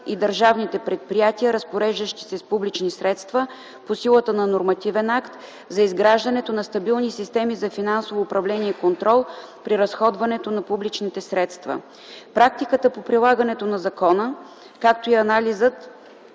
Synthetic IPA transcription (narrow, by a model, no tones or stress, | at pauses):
id̪əɾʒavnit̪ɛpɾɛt̪̚pɾijat̪iəɾəspoɾɛʒd̪əʃt̪i̥sɛspublit͡ʃnisɾɛt̪st̪və | posilˠət̪ənɐnoɾmɐt̪ivɛnakt̪ | zɐizɡɾaʒd̪ɐnɛt̪onɐst̪ɐbilˠnisist̪ɛmizɐfinansovoːpɾɐvlɛniɛikont̪ɾɔlˠ | pɾiɾɐsxɔd̪vɐnɛt̪onɐpublit͡ʃnit̪ɛsɾɛt̪st̪vɐ̰ | pɾak̚t̪ikət̪əpopɾilˠaɡənɛt̪onɐzɐkɔnə | kak̚t̪oiɐnalizət̪